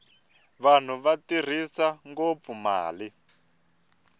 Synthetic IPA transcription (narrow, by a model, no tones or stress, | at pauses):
βan̤uβatir̤isaŋɡop̪fuma̰ːli